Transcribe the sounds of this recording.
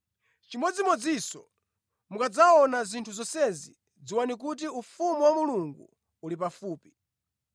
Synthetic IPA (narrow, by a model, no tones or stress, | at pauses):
t͡ʃimɔd͡zimɔd͡zisɔ | mukad͡zaɔnazintʰuzɔsɛzḭ | d͡ziwanik̬ut̬iufumuwamuluŋɡṵ | ulipafuːpi̥